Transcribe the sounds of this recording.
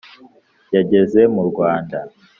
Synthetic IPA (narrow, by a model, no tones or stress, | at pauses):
jaɟe̞ze̞muɾɡwaːnda